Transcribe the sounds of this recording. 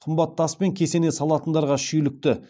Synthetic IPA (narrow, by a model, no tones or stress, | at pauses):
qʰəmbɑt̪ːɑspe̞ŋkʲʰe̞se̞ne̞sɑlˠɑt̪ənd̪ɑɾʁɑʃʏjlɪk̚t̪ɪ